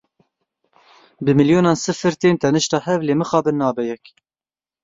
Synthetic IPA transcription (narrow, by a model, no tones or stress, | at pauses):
bɨmɨljoːnɑːnsɨfɨɾt̪eːnt̪ɛnɨʃt̪ɑːhɛvleːmɨxɑːbɨnːɑːbɛjɛk